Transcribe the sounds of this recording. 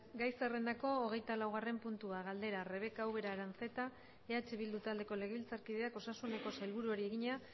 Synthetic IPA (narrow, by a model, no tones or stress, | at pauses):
ɡajsere̞nd̪ako̞ːɣe̞jt̪alawɣare̞mpunt̪uaɣald̪e̞ɾare̞β̞e̞kaːwβe̞ɾaɾense̞t̪a | eat͡ʃe̞βild̪ut̪ald̪e̞ko̞le̞ɣeβilt͡saɾkið̞e̞ako̞sasune̞ko̞sajlβuɾuoɾie̞ɣiɲa